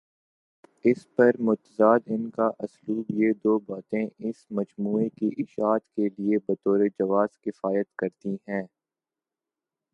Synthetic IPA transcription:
ɪspɐɾmʊt̪əzaːd̪ɪnkaʔɐsluːbjed̪oːbaːt̪ẽʔɪsmɐd͡ʒmuːekiʔɪʃaːt̪keliebɐt̪oːɾed͡ʒɐʋaːz̥kɪfaːjət̪kɐɾt̪iɦɛ̃ː

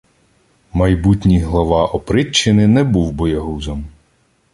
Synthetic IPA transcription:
mɐjbutʲnʲijɦlˠɔʋɑʔɔpɾɪt͡ʃːɪnɪnɛbuwbɔjɐɦuzɔm

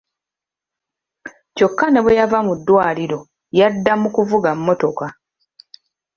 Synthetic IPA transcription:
co̞kːane̞βejavamudːwaːliɾo̞ | jadːamukuvuɡamːo̞to̞ka

